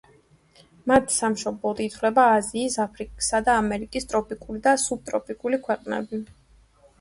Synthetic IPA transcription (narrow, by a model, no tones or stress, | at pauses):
mat̪ʰi̥samʃɔblˠɔd̪it̪ʰvlɛbaːziːsapʰɾikʼsad̪aːmɛɾikʼist̪ʼɾɔpʼikʼulid̪asub̚t̪ʼɾɔpʰʼikʼulikʰwɛqʼnɛ̰bi